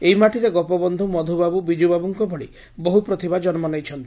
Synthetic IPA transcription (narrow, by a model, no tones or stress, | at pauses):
eimaʈiɾeɡɔpɔbɔnd̪ʱumɔd̪ʱubabubid͡ʒubabuŋkɔbʱɔɽi | bɔɦupɾɔt̪ʰibad͡ʒɔnɔmɔnɔjt͡ʃʰɔnt̪i